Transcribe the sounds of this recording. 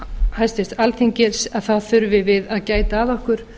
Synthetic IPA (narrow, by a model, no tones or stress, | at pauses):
hajst̪ɪst̪alθiŋcɪɾsaðθawθʏɾvɪvɪðaðcaːjt̪aːðɔhkʏɾ̥